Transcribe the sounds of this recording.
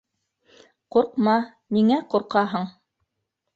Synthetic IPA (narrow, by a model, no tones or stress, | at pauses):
quɾqmɑ | miŋæquɾqɑɦɤɴ